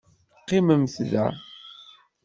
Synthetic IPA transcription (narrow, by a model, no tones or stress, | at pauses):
qːiməmθða̰